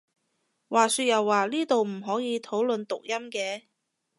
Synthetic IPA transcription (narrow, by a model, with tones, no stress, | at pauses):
waː˨syː˧t̚jɐ˨˩wːaː˨liː˥t̪o˨wm̩˨˩ɦɔː˨˥jiː˨˧t̪ʰo˨˥wlɵ˨nt̪ʊ˨k̚jɐ˥mkɛː˧